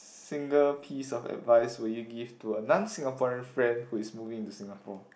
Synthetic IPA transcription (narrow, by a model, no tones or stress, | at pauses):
sĩŋɡəlpʰisɔfɛ̰tvaɪswiljuɡivtuənãnsĩŋapʰɔɹɛ̃nfɹɛ̃ndhuɪsmuvĩŋĩntusĩŋapʰɔ